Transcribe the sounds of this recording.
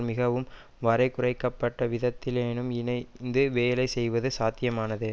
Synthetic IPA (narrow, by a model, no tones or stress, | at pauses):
mɪɣɐʋɯm | ʋɐɾɐɪkʊrɐɪkːɐpːɐʈːɐʋɪðɐt̪ːɪleːnɯmɪnɐɪnd̪ɯʋeːlɐɪsɛjʋɐðɯsaːt̪ːɪjɐmaːnɐðɯ